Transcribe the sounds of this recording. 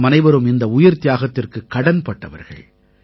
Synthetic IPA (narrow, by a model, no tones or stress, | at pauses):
mɐnɐɪʋɐɾɯmɪnd̪ɐʊjɪɾt̪ɪjaːɣɐt̪ːɪrkɯkːɐɽɐnpɐʈːɐʋɐ̰ɾɣɐ̰ɭ